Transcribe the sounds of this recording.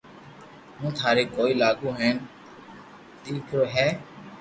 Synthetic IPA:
mũːt̪ʰaːɾeːkoːiːlaːɡũːɦɛːn | d̪iːkʰoːɦɛː

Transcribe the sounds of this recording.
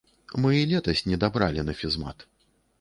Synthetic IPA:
mɨilʲɛt̪ɐsʲnʲɛd̪abɾalʲinɐfʲizma̰t̪

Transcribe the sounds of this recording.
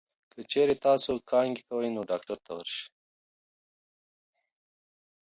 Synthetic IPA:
kət͡ʃeɾet̪ɑsokʰɑŋɡekawəjnoɖɑkʈaɾt̪awə̰ɾʃi̥

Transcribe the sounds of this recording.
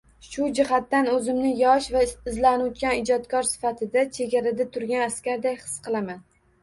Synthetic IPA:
ʃʊd͡ʒɪɦat̪ːanɵzɪmnɪjɒʃvaɪzlanʊt̪kʲanɪd͡ʒɒt̪kʰɒɾsɪ̥fat̪ʰɪd̪at͡ʃʰe̞ɡʲaɾad̪at̪ʰʊɾɡʲanaskʲaɾd̪ajχɨ̥sqʰɨlˠaman

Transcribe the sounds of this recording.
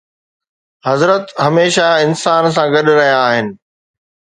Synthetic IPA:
ɦɐzɾət̪ɦɐmeːʃaɪnsaːns̬ãɡɐɗʊɾɐɦijaːɦɪnɪ̆

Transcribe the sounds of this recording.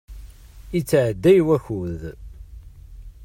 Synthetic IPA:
it͡sːʕd̪ːæjwæçuð

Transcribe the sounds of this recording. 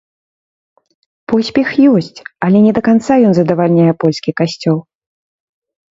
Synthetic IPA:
pɔsʲpʲɛxjɔsʲt͡sʲɐlʲɛnʲɛd̪ɐkant̪sajɔnzɐd̪ɐvalʲnʲajɛpɔlʲskʲikasʲt͡sʲɔlˠ

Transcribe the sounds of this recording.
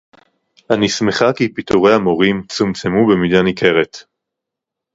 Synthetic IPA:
ʔanisme̞χakipitoʁejamo̞ʁimt͡sumt͡semubemid̪anike̞ʁet

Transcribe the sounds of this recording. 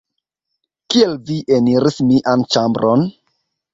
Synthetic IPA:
kielviʔeniɾismiʔant͡ʃambɾʔon

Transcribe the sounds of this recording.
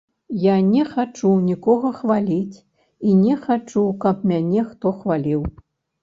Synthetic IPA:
janʲɛxat͡ʂunʲikɔɣɐxvalʲit͡sʲ | inʲɛxat͡ʂukɐpmʲanʲɛxt̪ɔxvalʲiw

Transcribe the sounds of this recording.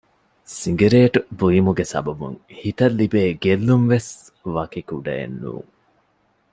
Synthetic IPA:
siŋɡeɾeːʈubujimuɡesɐ̰bɐbṵŋhit̪ɐlːibeːɡelːumʋes | ʋɐkikuɖɐ̰ḛnːṵːŋ

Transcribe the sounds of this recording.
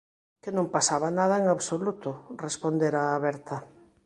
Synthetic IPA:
kenõmpasaβanaðɐeŋaβsolut̪ʊrespond̪eɾaːβɛɾt̪ɐ

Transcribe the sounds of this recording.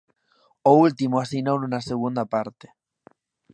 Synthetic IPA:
oult̪imoasinownunaseɣ̞und̪apaɾt̪e̥

